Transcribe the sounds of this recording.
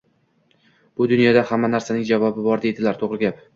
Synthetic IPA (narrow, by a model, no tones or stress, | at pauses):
b̥ʊd̪ʊnjɒd̪ahamːanaɾsanɪŋd͡ʒavɒbɪbɒɾd̪e̞d̪ɪlaɾt̪ʰoʁɾɪɡʲap